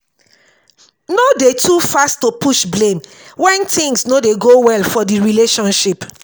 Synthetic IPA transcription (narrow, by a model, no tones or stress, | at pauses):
nodetʰufasttopuʃblẽm | wɛ̃ntĩŋsnodeɡowɛlfɔdiɹileʃɔ̃nʃip